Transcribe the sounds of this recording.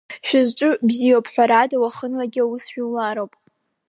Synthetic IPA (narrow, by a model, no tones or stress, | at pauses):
ʃᶣɪzʈ͡ʂʼɨbzijowpʰħʷᶣaɾadawaχənlaɡʲɪawusʃᶣiwlaɾowpʼ